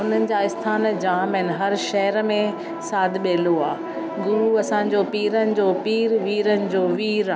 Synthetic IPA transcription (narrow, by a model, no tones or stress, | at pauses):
ʊn̤ənɪ̆d͡ʑaːɪst̪ʰaːnd͡ʑaːmənɪ̆ɦɐɾʃɐɦəɾmẽ | saːd̪ʱɓeːloaː | ɡʊɾuɐsãːɲ̆d͡ʑoːpiːɾənɪ̆d͡ʑoːpiːɾʋiːɾənɪ̆d͡ʑoːʋiːɾaː